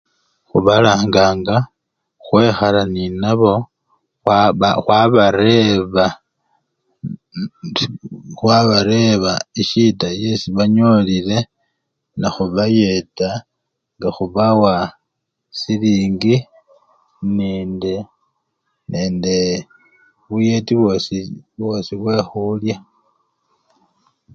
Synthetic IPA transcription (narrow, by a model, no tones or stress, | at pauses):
xuβalaːŋɡaːŋɡa | xwe̞ːxalaninaβo̞ | wxwaβaɾe̞βa | xwaβaɾe̞βaiʃitaje̞siβaɲo̞lile̞ | naxuβaje̞ta | ŋɡaxuβawa | siliːŋɡi | neːnde | nʔeːnde̞ | βuje̞tiβosiβwo̞siβwe̞xulja